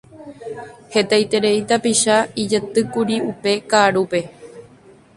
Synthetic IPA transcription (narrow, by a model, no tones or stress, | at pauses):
he̞t̪ajt̪e̞ɾe̞it̪apiʃaid͡ʒet̪ɨkuɾiupe̞kaːɾupe̞